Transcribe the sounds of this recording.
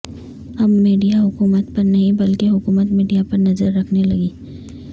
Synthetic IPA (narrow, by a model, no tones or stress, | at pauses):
hɐmːiːɖijaɦʊkuːmət̪pɐɾnɐɦĩbɐlkeɦʊkuːmət̪miːɖijapɐɾnɐzəɾːɐkʰnelɐɡiː